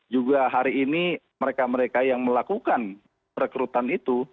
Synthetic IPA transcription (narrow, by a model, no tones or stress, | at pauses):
d͡ʒuɡaɦaɾiːni | məɾekaməɾekajaŋməlakukan | pəɾkɾut̪anit̪u